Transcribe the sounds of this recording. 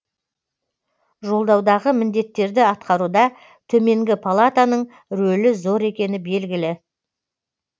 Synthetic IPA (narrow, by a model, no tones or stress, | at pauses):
ʒo̞lˠd̪ɑwd̪ɑʁəmɪnd̪e̞t̪ːe̞ɾd̪ɪɑt̪qɑɾud̪ɑ | t̪ʰɵme̞ŋɡʲɪpʰalˠat̪anəɴ | ɾɵlɪzo̞ɾe̞kʲe̞nɪbe̞lɡʲɪlɪ